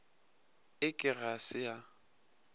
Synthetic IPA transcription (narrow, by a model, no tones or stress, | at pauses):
ɪkʼɪɣasɪja